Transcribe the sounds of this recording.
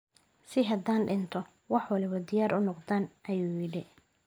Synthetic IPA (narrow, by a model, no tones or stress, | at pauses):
sɪɦɐd̪aːnɖɪnt̪ʰɔ | wɑħwɑlɪβɐd̪ɪjaːɾʔʊnɔqd̪aːnʔɐjuːjɪɽɪ